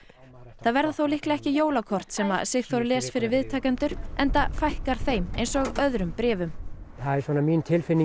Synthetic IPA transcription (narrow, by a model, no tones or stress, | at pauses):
θaðvɛɾðaθowlɪhklɛhcɪjoːwlakʰɔr̥t̪sɛma̰ðsɪxθvɔɾʏlɛːsfɪɾɪɾvɪðt̪ʰaːcant̪ʏɾ̥ʔɛnt̪afajhkaɾ̥θejmḛjnsɔɣœðɾʏmpɾɛːvʏmθaðɛɾsvɔːnamint̪ʰɪlfɪnːi